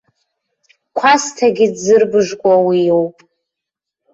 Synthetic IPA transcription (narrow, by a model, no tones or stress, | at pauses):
kʷʰastʰaɡʲidzɨrbɨʐkʷʼawijowpʼ